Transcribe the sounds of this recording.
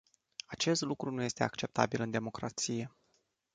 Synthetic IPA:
at͡ʃe̞st̪lukɾunuje̞st̪e̞akt͡ʃe̞p̚t̪a̰bilɨnd̪e̞mo̞kɾa̰t̪sije̞

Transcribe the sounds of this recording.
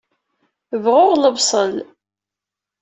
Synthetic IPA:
əvʁʊʁləbsˤəl

